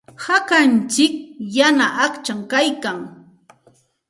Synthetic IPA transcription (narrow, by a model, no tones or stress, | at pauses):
hakant͡ʃɪk̚janaʔakt͡ʃaŋkajkaŋ